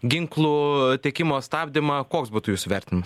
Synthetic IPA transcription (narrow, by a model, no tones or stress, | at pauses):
ɡʲɪŋklˠuːt̪ʲeɛkʲɪmoːst̪ɑːbʲd̪ʲɪmɐkoːksbuːt̪ʊjuːsʊʋʲɛɾʲt̪ʲɪnʲɪmɐs